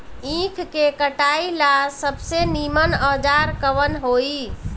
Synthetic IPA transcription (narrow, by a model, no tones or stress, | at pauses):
ĩkʰkekəʈailasəbsenimənəd͡ʒaɾkəʋənɦoi